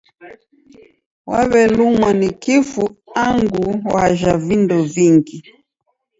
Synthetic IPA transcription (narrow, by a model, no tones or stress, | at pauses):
wa̰βɛlumwanikifuaŋɡuwaʒavindɔviŋɡi